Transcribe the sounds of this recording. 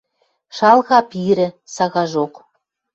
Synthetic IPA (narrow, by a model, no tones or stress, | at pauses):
ʃɑlˠɣɑpiɾɘ̆sɑɣɑʒoq